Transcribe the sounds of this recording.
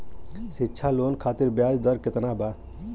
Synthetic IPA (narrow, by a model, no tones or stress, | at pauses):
sitːʃʰalonkʰaːt̪iɾbjaːd͡ʒd̪əɾket̪naba